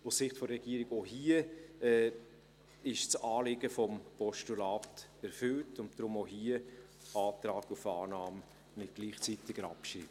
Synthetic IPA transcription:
ussɪχtfɔɾːɛɡ̥iːəɾɪɡoːɦiːəɛ | ɪʃt͡sɑːlɪɡəfɔmpɔʃtulaːtɛɾfʏltʰʊntd̥rʊmoɦiːə | ɑːtɾaːɡufɑːnɑːm | mɪt̚ɡ̥liːχt͡sitɪɡəɾɑ̰pʃiːt

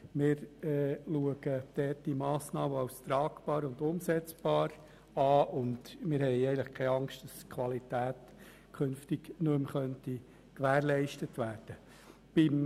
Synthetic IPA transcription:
mɪːɾɛluəɡəd̥̪ɛːt̚d̥imɑːsnɑːməɑwst̪ɾɑːkb̥ɑːɾʊnd̪ʊmsɛt͡sb̥ɑːɾ | ɑːʊndmɪːɾhɛɪɛɪənləχkʰɛɑŋstd̥ɑskʰʋɑlit̪æːt̪ | kʰχʏnftɪɡnømχœnti | kʋæːɾlɛɪʃtətʋæːɾd̥ə | b̥ɪm

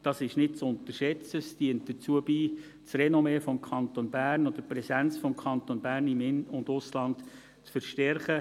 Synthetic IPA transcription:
d̥ɑsɪʃnɪt̚t͡sʊnt̪ərʃɛt͡səsdiənt̚d̥ət͡suəbiː | t͡srɛnomɛfɔmkʰχɑnt̪onbæːrnɔd̪̥əpɾɛsænt͡sfɔmkʰɑnt̪onbæːrnɪmɪnʊndʊslɑnt | t͡sfəɾʃtɛɾχə

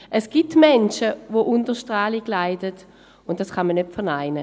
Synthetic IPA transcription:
ʔɛsɡ̥itmɛnʃəvoʔʊndəʃtʁaːliɡ̥laɪdət | ʊnt̚d̥asχɑmənːøtfɛɐnaɪnə

